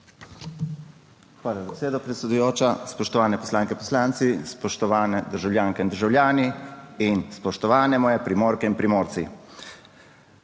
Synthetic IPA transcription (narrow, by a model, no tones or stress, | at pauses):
xʋaːlazabeseːd̪ɔpɾɛt̪sʲed̪ujoːt͡ʃaspɔʃt̪ɔʋaːnɛpɔ̥slaːŋkɛpɔslaːnt̪sispɔʃt̪ɔʋaːnɛd̪əɾʒawljaːŋkɛind̪əɾʒawlʲjaːniinspɔʃt̪ɔʋaːnɛmɔːjɛpɾimoːɾkɛinpɾimoːɾsḭ